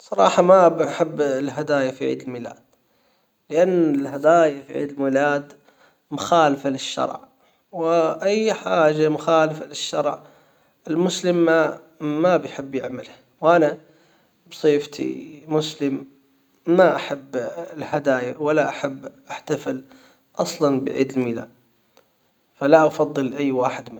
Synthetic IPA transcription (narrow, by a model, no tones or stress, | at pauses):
sˤɑɾˤɑːħɑmabaħɪbːlɦad̪aːjafiʕḭːd̪ɪlmiːla̰ːd̪̥̚ | lɪʔanːɪlɦad̪aːjafḭʕḭːd̪ɪlmiːlaːd̪ | mʊxaːlɪfalɪʃːɑ̰ɾˤʕ | wɪʔajːħaːʒamʊxaːlɪfalɪʃːɑɾˤʕ | ɪlmʊslɪmːaː | abɪjħɪbːjɪʕmalha | wʔana | bsˤiːft̪ʰḭmʊslɪmː | aʔaħabːɪlhad̪aːjawalːaʔaħabːʔaħt̪afɪl | ʔɑsˤlɑnbɪ̰ʕḭːd̪ɪlmiːla̰ːd̪̚ | falaʔɑfɑðˤːɨlʔajːwaːħɪd̪mɪ